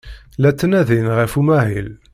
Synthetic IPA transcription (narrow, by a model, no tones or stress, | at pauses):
læt͡s̪ːnæðinʁæfumæɦil